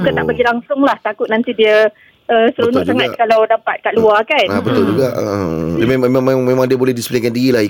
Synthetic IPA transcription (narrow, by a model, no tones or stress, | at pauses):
kənaʔbəɡilaŋsʊŋlaht̪akʊt̪̚nant̪idiə | əsəɾunʊʔt̪əŋãt̪kalawdapat̪̚kaʔluakanabət̪ʊld͡ʒuɡaʔmemmẽmãŋdiəbolɛhdisplekandiɾilai